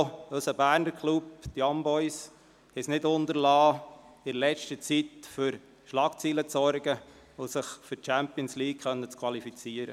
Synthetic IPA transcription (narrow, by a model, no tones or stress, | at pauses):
øsəbæːɾnəɾkʰlupt̪jɑmbɔɪs | hɛsnɪdʊnd̪əɾlɑː | ɪɾlɛt͡ʃtət͡sit̪fʏɾ | ʃlɑkt͡siːlət͡sɔɾɡə | osɪχføt͡ʃæmpiənsliːkkχœnːət͡skʰwɑlifit͡siəɾə